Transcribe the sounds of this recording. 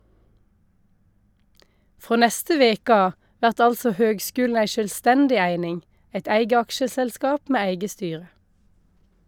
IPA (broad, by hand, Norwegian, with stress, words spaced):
ˈfʁoː ˈnɛstə ˈʋeːk ˈɑː ˈʋæʁt ˈɑlsɔ ˈhøːɡˌskʉːln̩ ˈæɪ ʃœlˈstɛndɪ ˈæɪnɪŋ ˈæɪt ˈæɪɡə ˈɑkʃəsɛlˌskɑːp ˈmeː ˈæɪɡə ˈstyːʁə